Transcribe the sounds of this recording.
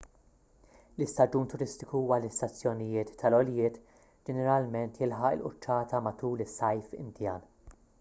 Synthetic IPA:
lɪst̪ɐd͡ʒuːnt̪ʊɾɪst̪ɪkuuːwɐlɪst̪ɐt͡sːjɔnɪjɪːt̪ʰːɐlɔljɪːt̪ | d͡ʒɛnɛɾɐlmɛnt̪jɪlħɐʔɪ̰lʔʊ̰t͡ʃːɐːt̪ɐmɐt̪uːlɪsːɐjfɪ̰nd̪jɐːn

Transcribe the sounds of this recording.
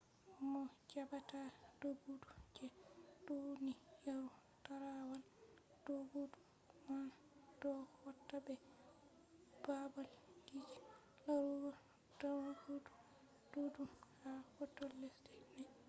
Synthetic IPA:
ʔɔmɔd͡ʒabatad̥oɡudud͡ʒɛdunijaɾu | taɾawal | d̥oɡudu | ma | dɔwatːabɛ | babalɡid͡ʒi̥ | laɾuɡɔ | dɔwakadu̥ | d̥udumhahɔtːɔlːɛsdɛnɛ

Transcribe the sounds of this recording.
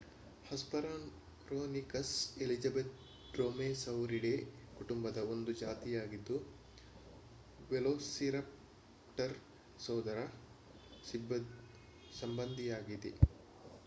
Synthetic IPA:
hɐspɐɾɐn | kɾoːnikɐselid͡ʒɐbet̪̚ | ɖɾoːmeːsɐwɾiɽekuʈumbɐd̪ɐo̞nd̪ud͡ʒaːt̪ijaːɡid̪ːu | ʋeloːsiɾɐp̚ | ʈɐɾ | sɔːd̪ɐɾɐ | sib | sɐmbɐnd̪ʱijaːɡid̪e

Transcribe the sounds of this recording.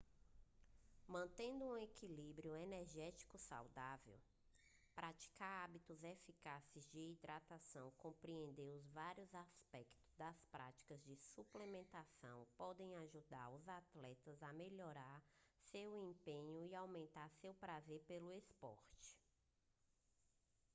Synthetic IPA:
mɐ̃nt̪ẽnd̪ʊũekilibɾiʊeneɾʒɛt͡ʃi̥kʊsa̰wd̪avew | pɾʔat͡ʃi̥kaɾabit̪ʊzefikasɪzd͡ʒɪːd̪ɾat̪asɐ̃w̃kõpɾiẽnd̪eɾʊzvaɾjʊzaspɛkt̪ʊ̥zd̪ɐspɾa̰t͡ʃi̥kɐzd͡ʒɪsuplemẽnt̪asɐ̰̃w̃pɔd̪ẽj̃aʒud̪aɾʊzat̪lɛt̪ɐzɐmeʎɔɾaɾsewẽpẽɲʊiawmẽnt̪aɾsewpɾazeɾpelʊespɔ̰ɾt͡ʃɪ̥

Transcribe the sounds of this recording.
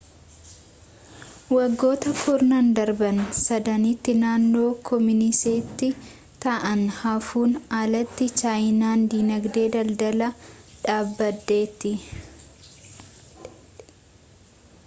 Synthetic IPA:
wɐɡːo̞ːt̪ɐfʊɾnɐnd̪ɐɾbɐnsɐd̪ɐnɪt̪ːɪnaːnːo̞ːkʰɔmɪnɪseːt̪ːɪ | t̪ɐʔɐnhafuːnaːlɐt̪ːɪt͡ʃaːjnaːnd̪iːnɐɡd̪e̞ːd̪ɐld̪ɐlɐᶑaːbːɐd̪ːe̞ːt̪ːɪ

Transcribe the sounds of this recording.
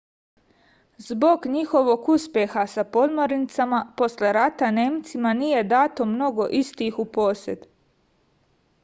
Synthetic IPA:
zbo̞ɡɲixo̞ʋo̞ɡuspjexasapo̞d̪moɾnit̪samapo̞sle̞ɾat̪ane̞ːmt̪simaniːje̞d̪aːt̪o̞mno̞ɡo̞ʔist̪iːxupo̞se̞d̪

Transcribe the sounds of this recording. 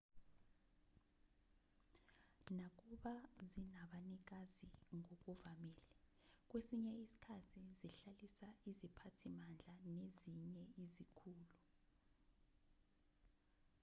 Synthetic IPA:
nak̬uɓazinaɓanik̬aziŋok̬uvamiːlɛ | k̬wesiɲɛisi̥kʰatʰiziɬalisaizipʰatʰimand͡ɮʱaneziɲɛizikʰuːlu

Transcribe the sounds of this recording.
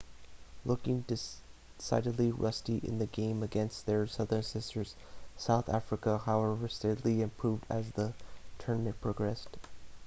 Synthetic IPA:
lʊkɪ̃ŋdɨ | sa̰ɪɾɨdˡliɹʔʌ̰stiɪ̰̃nðɨɡẽɪ̃mɨɡɛ̃nst̪̚ðə˞sʌðə̃˞nsɪstə˞z̥ | saʊθæ̰fɹɨkəhaʊɛvə˞stɛɾlˠiɨ̃mpʰɹ̥uvdɨ̰zðətʰɜ˞nmɨ̃npʰɹ̥ɑɡɹɛst

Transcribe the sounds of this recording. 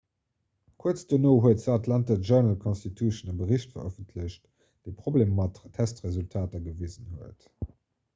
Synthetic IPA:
kʰuət͡sd̥ənoːɦuətzəɑtʰlɑntəʒœnəlkʰɔnstitʰuʃənəbəʁiɕtfɐ̰ʁəfəntʰləɕt | d̥eɪpʁ̥obleːmmɑttʰːæstʁezultʰaːtɐɡəviːzənhuət

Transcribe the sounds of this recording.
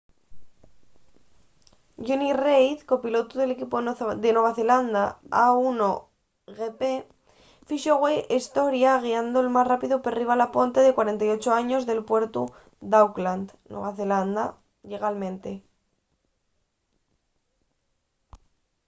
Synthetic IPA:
ʝunirejθko̞pilo̞t̪uðe̞lekipod̪enwe̞βaθe̞land̪aauno | ɣepe | fiʃoɣwejʔest̪o̞ɾjaɣ̞iand̪oelmasrapiðoperiβ̞alapo̞nt̪e̞ðe̞kwaɾe̞nt̪ajo̞t͡ʃoaɲo̞zðe̞lpwe̞ɾt̪u | d̪awkland̪nwḛβaθeland̪a | ʎe̞ɣalmẽ̞nt̪e̞

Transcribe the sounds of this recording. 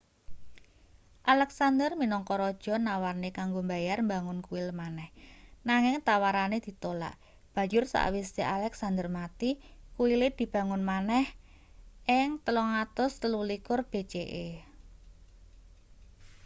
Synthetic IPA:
ʔalɛksand̪ərminɔŋkɔɾɔd̥ʒ̥ɔ̤nawarnekaŋɡombajarmbaŋʊnkuwilmanɛhnaŋɪŋt̪awaɾaned̪̥i̤t̪ola̰ʔ | b̥a̤jʊrsa̰ʔwist̪iʔalɛksand̪ərmat̪ikuwilɪd̪̥i̤b̥a̤ŋʊnmanɛh | ʔɪŋt̪əlɔŋat̪ʊst̪əlulikʊrb̥e̤t͡ʃeʔe

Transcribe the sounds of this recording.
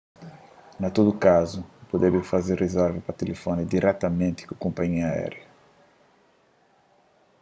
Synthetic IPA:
nat̪od̪ʊkazʊpod̪ɛbɪfazerːezɛɾvɪpɐt̪elefonid̪iɾʔɛt̪amẽnt̪ɪ̥kukõmpaɲiɐaɛ̰ɾjɐ

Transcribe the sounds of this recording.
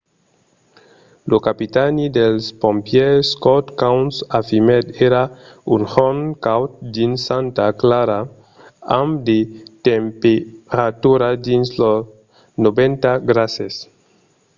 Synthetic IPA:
lokapit̪anid̪elspõmpjeskot̪kawnsafimed̪eɾaunhonkawt̪̚d̪insant̪aklaɾa | amd̪et̪empeɾat̪uɾad̪inslo | nobẽnt̪aɡɾases

